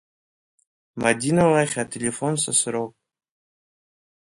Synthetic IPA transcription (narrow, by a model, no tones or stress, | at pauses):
madʲinalaχʲatʲʰelʲefonsasɨɾowpʼ